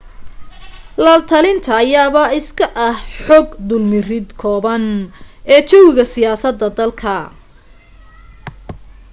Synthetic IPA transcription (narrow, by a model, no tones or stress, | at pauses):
lɐːlt̪ʰɐlɪnt̪ʰɐːjaːβɐɪskʰɐʔɐhħɔɡd̪ʊlmɪrɪd̪kʰɔːβɐnɛːt͡ʃɔwɪɣɐsɪjaːsɐd̪ːɐd̪ɐlkʰɐ